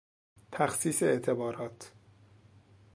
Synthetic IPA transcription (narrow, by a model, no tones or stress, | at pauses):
t̪ʰæxsiːseeʔt̪ʰe̞bɒːɾɒːt̪ʰ